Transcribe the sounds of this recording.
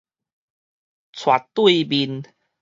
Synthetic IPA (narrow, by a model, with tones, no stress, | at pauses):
t͡sʰwa̰˨˩t̚t̪wui˦˥˧bi˧n